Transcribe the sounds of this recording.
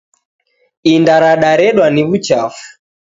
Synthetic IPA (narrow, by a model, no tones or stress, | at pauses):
indaɾaɗaɾɛɗwaniβut͡ʃafu̥